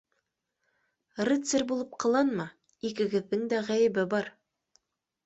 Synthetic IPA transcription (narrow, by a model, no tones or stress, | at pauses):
rɘt̪sɘɾbulˠɤp̚qɑ̆lˠɑnmɑ | ikɘ̆ɡɘ̆ðːɘŋd̪æʁæjɘ̆bɘbɑɾ